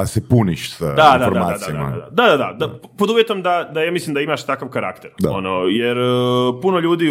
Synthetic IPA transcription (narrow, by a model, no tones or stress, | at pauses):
asepuniʃsad̪ad̪aoɾd̪amaːad̪aiad̪ama̰d̪a̰d̪ad̪ad̪ad̪apod̪uʋjet̪o̞md̪ad̪ajaːmislimd̪aimaʃt̪akaʋkaɾa̰kt̪eɾaonojeɾpuno̞ʎuːd̪iː